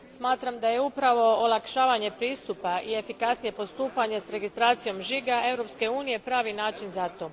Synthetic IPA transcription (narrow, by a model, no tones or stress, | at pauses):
smaːt̪ɾamd̪ajeupɾaʋo̞olˠakʃaːʋaɲe̞pɾiːst̪upaʔie̞fikasnije̞po̞st̪uːpaɲe̞sɾe̞ɡist̪ɾaːt̪sijo̞mʒiɡae̞vɾo̞pske̞uːnije̞pɾaːʋinaːt͡ʃinzat̪o̞ː